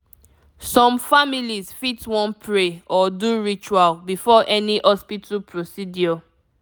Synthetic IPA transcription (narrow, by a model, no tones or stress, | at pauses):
sɔ̃mfamilizfitwɔ̃npʰɹeɔduɹit͡ʃualbifɔʔɛniʔɔspitʰapʰɹosidiɔ